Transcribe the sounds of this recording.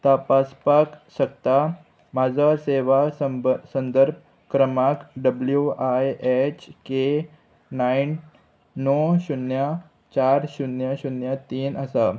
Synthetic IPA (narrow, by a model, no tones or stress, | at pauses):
t̪apaspakɕəkt̪a | mad͡zʱaseʋasənd̪əɾb̚ | kɾəmakɖəbljuajet͡ɕke | nainː | oɕunja | t͡ɕaɾɕunjəɕunjət̪iːnəsa